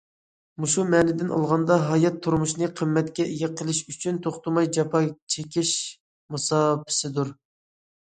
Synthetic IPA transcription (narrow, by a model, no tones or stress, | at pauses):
muʃumɛnɪd̪ɪnʔɑ̰lˠʁɑnd̪ɑɦɑjɑt̪ʰːuɾmuʃnɨqʰəmːɛt̪̚kʲɛʔejʲɛqʰəlˠɪʃyt͡ʃʰynt̪ʰoχt̪umɑjd͡ʒɑpʰɑt͡ʃʰekʲiʃ | mɨsɑːpʰɪ̥sɪd̪uɾ